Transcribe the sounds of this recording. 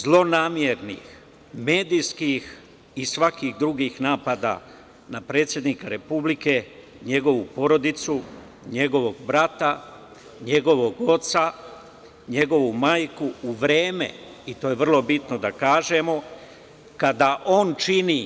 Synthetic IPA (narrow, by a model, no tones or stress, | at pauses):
zlˠo̞naːmjeɾnḭːx | me̞ːd̪ijskix | isʋakixd̪ɾuɡiːxnaːpad̪a̰ | napɾe̞ːt̪sʲjed̪nikaɾe̞publike̞ | ɲe̞ɡo̞ʋupo̞ɾo̞d̪it̪su | ɲe̞ɡo̞ʋo̞ɡ̚bɾat̪a | ɲe̞ɡo̞ʋo̞ɡo̞t̪sa | ɲe̞ɡo̞ʋumaːjkuːʋɾeːmḛit̪oːjeʋr̩lˠo̞bit̪nod̪akaːʒe̞mo̞ | kad̪aʔo̞ːnt͡ʃini